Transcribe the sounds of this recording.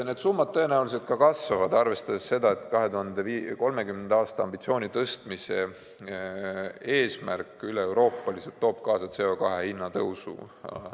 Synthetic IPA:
ne̞d̪̥sumːɑd̪̚t̪ːɤ̞e̞næulise̞t̪̚kɑkɑsvɑvɑd̪ɑrve̞st̪ɑd̪e̞sːe̞d̪ɑe̞t̪ːkɑɦe̞t̪uɦɑnd̪eiko̞lme̞kymnend̪eɑːst̪ɑɑ̰mbit̪sio̞ːnʲit̪ɤst̪mise̞ | e̞ːsmærkːˑyleewɾo̞ːpːˑɑliselt̪ːo̞ːb̥̚kɑːsɑt̪se̞o̞kɑɦe̞hinːɑt̪ɤwsṵ

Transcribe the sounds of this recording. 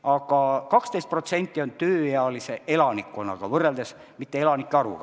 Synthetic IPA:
ɑɡɑkɑkst̪ejst̪̚pro̞t̪se̞nʲt̪ʲːˑio̞nt̪øːjeɑlise̞ʔe̞lɑnikːˑonːɑ̰ɡ̥ɑvɤrːeld̪es | mit̪ːe̞elɑnikːˑeɑɾṵɡɑ

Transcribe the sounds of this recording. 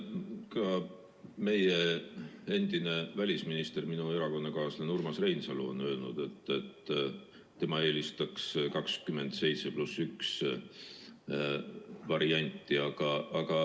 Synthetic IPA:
kɑ | me̞je | e̞nd̪̥ine̞vælʲisminist̪e̞rminue̞ɾɑko̞nːɑkɑːslenurmɑsre̞jnsɑlṵo̞̰nø̞ːlnud̪̥e̞t̪ːet̪ː | t̪ːe̞mɑe̞ːlist̪ɑkskɑkskymːe̞nd̪̥se̞jt̪se̞plusːyks | vɑɾiɑnʲt̪ːˑiɑɡ̥ɑːɡ̥ɑ

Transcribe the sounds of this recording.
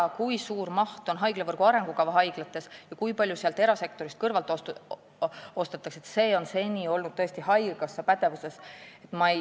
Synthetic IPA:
ɑkujsuːrmɑht̪o̞nɦɑjɡ̥levɤrɡ̥uɑɾe̞ŋɡ̥ukɑvɑɦɑjɡ̥lɑt̪ːˑe̞sjɑkujpɑlʲjuseɑlt̪e̞ɾɑse̞k̚t̪o̞ɾist̪̚kɤrvɑlt̪ˑo | o̞st̪ɑt̪ːˑɑkse̞t̪se̞ːo̞nse̞nʲio̞lnud̪̥̚t̪ɤe̞st̪ihɑjɡ̥ɑsːɑpæd̪̥e̞vuse̞se̞t̪ːˑmɑe

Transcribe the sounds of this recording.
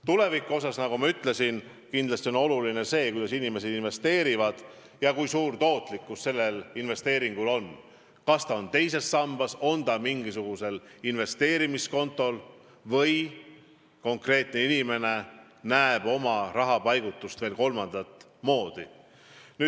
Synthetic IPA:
t̪ule̞vikːˑuo̞s̬ɑsnɑɡ̥umɑyt̪ˑle̞sin | kind̪lɑst̪io̞no̞luline̞se̞ːkujd̪̥ɑsinime̞sed̪̥inve̞st̪e̞ːɾivɑd̪̥ | jɑkujsuːrt̪o̞ːt̪ˑlikːusse̞lːe̞linve̞st̪e̞ːɾiŋɡ̥ulo̞n | kɑst̪ɑo̞nt̪e̞jse̞sːɑmb̥ɑso̞nd̪ɑmiŋɡisuɡ̥use̞linve̞st̪e̞ːɾimisko̞nt̪ːˑo̞l | vɤj | ko̞ŋkre̞ːt̪ne̞inime̞ne̞ | næeb̥o̞mɑrɑɦɑpɑjɡut̪ːˑust̪ve̞ːlko̞lmɑnd̪̥ɑt̪ˑ | mo̞ːd̪̥i | ny̥

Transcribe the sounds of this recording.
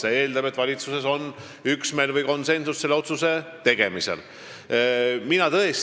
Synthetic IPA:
see̞ːld̪ɑbe̞t̪ːˑvɑlʲit̪suse̞so̞n | yksme̞ːlvɨjko̞nse̞nsusse̞lːeo̞t̪suse̞t̪e̞ɡ̥e̞misḛl | minɑt̪ɤes

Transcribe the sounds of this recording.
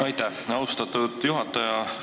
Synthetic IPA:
ɑjt̪æhɑwst̪ɑt̪ːˑud̪̥juɦɑt̪ːˑɑjɑ

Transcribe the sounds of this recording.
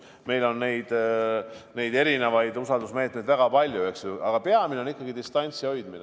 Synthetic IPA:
me̞jlo̞nːe̞jd̪̥ | ne̞jd̪e̞ɾine̞vɑjd̪usɑld̪usme̞ːt̪ˑme̞jd̪væɡ̥ɑpɑlʲjue̞ksjuɑɡ̥ɑpe̞ɑminenikːɑɡid̪ist̪ɑnʲt̪sio̞jd̪mine

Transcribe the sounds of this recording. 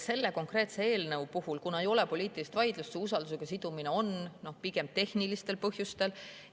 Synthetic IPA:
se̞lːe̞ko̞ŋkre̞ːt̪se̞eːlnɤwpuhulkunɑe̞jo̞lepo̞lʲiːt̪ːˑilist̪vɑjd̪̥lust̪eusɑld̪us̬eɡ̥ɑsid̪̥umineo̞nno̞hpiɡ̥e̞m̚t̪e̞hnilist̪e̞lpɤhjust̪e̞l

